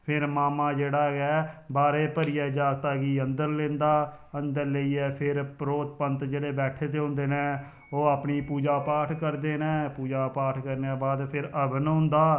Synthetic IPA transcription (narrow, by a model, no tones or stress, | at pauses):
pʰɪɾmaːmãːd͡ʒeːɽaːɡɛːbaːɾeːpəɾɪjɛːd͡ʒaːɡt̪aːɡiːənd̪əɾlẽːnd̪aː | ənd̪əɾləiːɛːpʰɪɾpɾoːt̪pənt̪d͡ʒeːɽeːbɛːʈʰeːt̪eːɦʊ̃nd̪eːnɛ̃ː | oːaːpniːpuːd͡ʒaːpaːʈʰkəɾd̪eːnɛ̃ːpuːd͡ʒaːpaːʈʰkəɾnaːbaːd̪pʰɪɾəbnɦʊ̃nd̪aː